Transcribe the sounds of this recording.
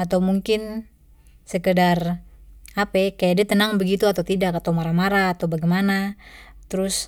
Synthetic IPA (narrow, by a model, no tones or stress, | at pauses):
at̪awmuŋkɪn | səkədar | apɛkajadiat̪ənaŋbəɡit̪uat̪awt̪idakat̪awmaɾamaɾaːt̪awbaɡɛjmanat̪əɾʊs